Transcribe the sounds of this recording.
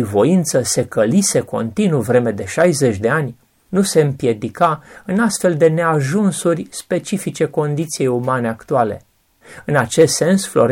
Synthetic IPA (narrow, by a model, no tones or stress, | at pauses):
vo̞int̪səse̞kəlise̞ko̞̰nt̪inuvɾe̞me̞d̪e̞ʃajze̞t͡ʃʲd̪e̞anʲ | nuse̞ɨmpje̞d̪ikaɨnast̪fe̞ld̪e̞ne̞aʒunsurʲspe̞t͡ʃifit͡ʃe̞ko̞nd̪it̪sije̞jumane̞akt̪uale̞̰ | ɨnat͡ʃe̞st̪se̞nsflo̞̰ɾ